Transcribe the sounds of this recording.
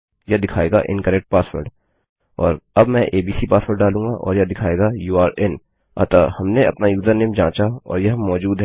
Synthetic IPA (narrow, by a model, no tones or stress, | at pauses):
jɐd̪ɪkʰaːeːɡa̰ʔɪ̰̃nkəɾɛk̚ʈ̚paːswəɾɖ | ɔːɾɐbmɛ̃ʔeːbiːsipaːswəɾɖɖaːlũːɡaʔɔːɾjɐd̪ɪkʰaːeːɡajuːaːɾɛn | a̰t̪ahɐmneɐ̰pnajuːzəɾnɪmd͡ʒãːt͡ʃaɔ̰ːɾjɐɦmːɔːd͡ʒuːd̪ɦɛː